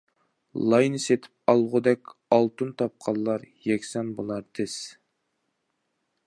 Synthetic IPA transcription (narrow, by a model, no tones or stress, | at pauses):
lˠɑjnɨset̪ʰɪ̥p̚ɑlˠʁʊd̪ɛkʲɑlˠt̪unt̪ʰɑp̚qʰɑlˠːɑɾjɛkʲsɛnbolˠɑɾt̪ʰɪs